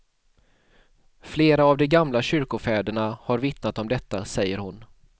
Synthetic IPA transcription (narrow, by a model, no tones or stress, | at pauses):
fleːɾaːvd̪ɔɡamlaɕʏɾkʊfɛːd̪əɳahaɾvɪt̪nat̪ɔmd̪ɛt̪ːasɛjːəɾhʊn